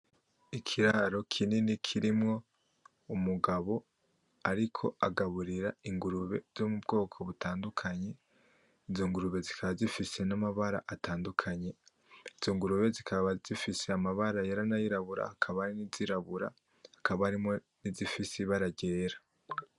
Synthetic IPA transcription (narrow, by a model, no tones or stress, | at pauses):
ikʰiɾaɾo̞kʰininikʰiɾimŋo̞ | umuɡaβo̞ | aɾikʰo̞̰aɡaβuɾiɾaiŋɡuɾuβe̞z̥omub̚ɡo̞ːkʰo̞βutaːndukʰaɲe̞ | izo̞ŋɡuɾuβe̞zikʰaβazifise̞namaβaɾa̰ʔatʰaːndukʰaɲe̞ | iz̥o̞ŋɡuɾuβe̞zikʰaβaz̥ifise̞amaβaɾajeɾanajiɾaβuɾa̰hakʰaβaɾiniziɾaβuɾa̰ | hakaβaːɾimŋo̞ | nizifisiβaɾaɟeːɾa